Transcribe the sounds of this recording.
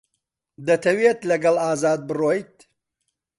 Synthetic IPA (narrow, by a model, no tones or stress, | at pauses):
d̪ɐt̪ʰɐwet̪lɐɡɐlaːzaːd̪̚bɨrojt̪̚